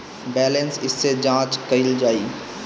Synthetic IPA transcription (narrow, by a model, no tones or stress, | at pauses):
bɛːlẽnsɪsːed͡ʒãːt͡ʃkɐɪld͡ʒaːiː